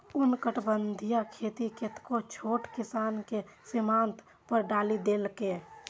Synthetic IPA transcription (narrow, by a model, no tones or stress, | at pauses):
ʊnkəʈbənd̪ʱijakʰeːt̪iket̪kot͡ʃʰoːʈkɪsaːnkesɪmaːnt̪ | pəɾɖaːlid̪eːlke